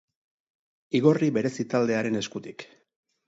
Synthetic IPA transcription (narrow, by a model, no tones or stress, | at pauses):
iɣo̞riβe̞ɾe̞sit̪ald̪e̞aɾe̞ne̞skut̪i̥k